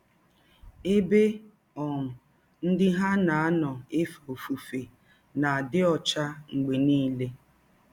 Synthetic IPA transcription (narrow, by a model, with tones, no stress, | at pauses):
e˦be˦ | ɔ˨ŋʊ˨ | n̩˦dɪ˦ɦa˦na˨a˦nɔ˨e˦fa˨o˨fu˨fe˨ | na˨a˨dɪ˦ɔ˨t͡ʃa˦ŋ͡m̩˨ɡ͡be˨niː˦le˦